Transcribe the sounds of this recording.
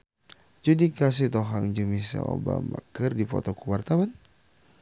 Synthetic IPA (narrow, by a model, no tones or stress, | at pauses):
d͡ʒudikas̬it̪ɔɦaŋd͡ʒumisa̰obamakərdipɔ̰t̪ɔkuwart̪awan